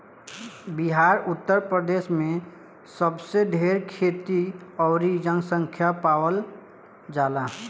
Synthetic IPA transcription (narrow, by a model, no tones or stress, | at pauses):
biɦaːɾʊt̪ːəɾpɾəd̪eːsmẽ | səbseɖʱeɾkʰet̪iɔːɾid͡ʒə̃ŋɡsə̃ŋkʰjapawəl | d͡ʒala